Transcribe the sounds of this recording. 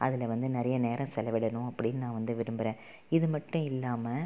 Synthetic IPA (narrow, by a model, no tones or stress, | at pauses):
ɐ̰ðɪlɐʋɐnd̪ɯnɪɾɐjɐneːɾɐ̃sɛlɐʋɪɽɐnʊ̃ɐpːɐɽɪnːnãːʋɐnd̪ɯʋɪɾɯmbɪɾẽː | ɪðɯmɐʈːʊ̃ɪlːaːmɐ